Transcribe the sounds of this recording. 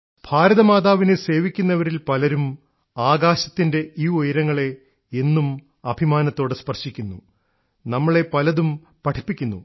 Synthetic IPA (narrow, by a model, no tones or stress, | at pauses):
b̥ʱaːɾɐðɐmaːðaːʋinese̞ːʋikʲːunːɐʋɐɾilpɐlɐɾum | aːɡaːɕɐt̪ːinde̞ʔiːojɾɐŋːɐɭe̞ | enːum | ɐbʱimaːnɐt̪ːoːɽɨspɐrʂikʲːunːṵ | nɐmːɐɭe̞pɐlɐðum | pɐʈʰipːikʲːunːu